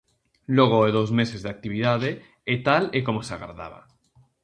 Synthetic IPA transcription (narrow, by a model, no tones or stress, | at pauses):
loɣ̞oeðozmesezðeak̚t̪iβ̞ið̞að̞e | et̪alekomosea̰ɣa̰ɾða̰β̞a̰